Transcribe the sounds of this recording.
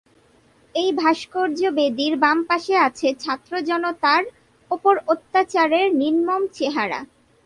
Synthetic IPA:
ejbʱaʃkoɾd͡ʑobed̪iɾbampaʃeat͡ɕʰet͡ɕʰat̪ːɾod͡ʑɔnot̪aɾ | opoɾot̪ːat͡ɕaɾeɾninmomt͡ɕeɦaɾa̰

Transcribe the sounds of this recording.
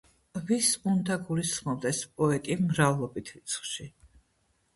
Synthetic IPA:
visund̪aɡulisχmɔb̚d̪ɛspʼɔɛt̪ʼimɾavlˠɔbit̪ʰvit̪sʰχʃi

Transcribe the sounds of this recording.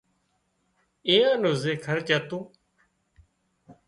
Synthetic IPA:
eːanozeːkʰəɾt͡ʃət̪uː

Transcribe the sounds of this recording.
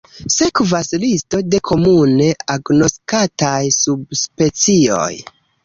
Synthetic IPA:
sekvaslisto̞de̞kʰo̞mune̞aɡno̞skatajsubspe̞t͡sio̞̰j

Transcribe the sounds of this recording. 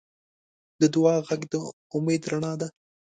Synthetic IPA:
d̪əd̪ʊwɑɣaɡd̪ə | ʊmed̪ɾaɳɑd̪a

